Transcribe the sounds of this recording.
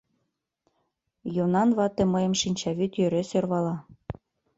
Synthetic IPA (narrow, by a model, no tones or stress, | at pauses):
jonɑnβɑt̪emɤjə̆mʃinʲt͡ɕɑβyt̪jøɾesørβɑlɑ